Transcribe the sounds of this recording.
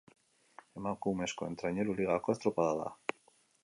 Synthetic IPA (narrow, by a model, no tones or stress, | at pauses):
e̞makume̞sko̞e̞nt̪ɾaɲe̞ɾuliɣ̞ako̞e̞st̪ɾopaðaða̰